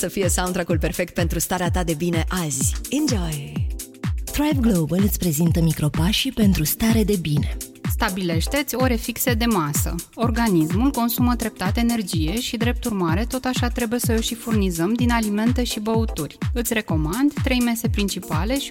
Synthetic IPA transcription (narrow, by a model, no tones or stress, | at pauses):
səfije̞saw̃nt̪ɾakulpe̞rfe̞k̚t̪̚pe̞nt̪ɾust̪aɾeat̪ad̪e̞bine̞ʔazʲĩnd͡ʒaj | t̪ɾajvɡlobəlɨt̪sʲpɾe̞zint̪əmikɾo̞paʃipe̞nt̪ɾust̪aɾe̞d̪e̞bine̞ | st̪abile̞ʃt̪e̞t̪sʲo̞ɾe̞fiksed̪e̞masə̰o̞rɡanismulko̞nsuməd̪ɾe̞p̚t̪at̪eːne̞rd͡ʒije̞ʃid̪ɾe̞p̚t̪urmaɾe̞t̪o̞t̪aʃat̪ɾe̞buje̞səoʃifurnizəmd̪inalime̞nt̪e̞ʃibəut̪urʲɨt̪sʲre̞ko̞mand̪t̪ɾe̞jme̞se̞pɾint͡ʃipale̞ʃi